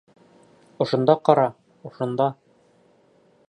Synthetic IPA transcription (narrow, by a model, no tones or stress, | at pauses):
ŏʃŏnd̪ɑqɒɾɑ | ŏʃŏnd̪ɑ